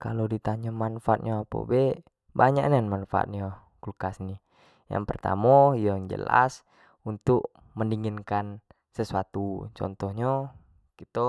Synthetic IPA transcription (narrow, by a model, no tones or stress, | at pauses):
kalodit̪aɲɔmanfaat̪̚ɲɔapo̰bɛ | baɲaʔnanmanfaa̰t̪̚ɲo | kulkasni | ja̰ŋpərt̪a̰mɔijod͡ʒə̰la̰s | unt̪ʊk̚ | məndiŋinkan | səsuat̪ut͡ʃɔ̰nt̪ɔhɲɔ | kit̪o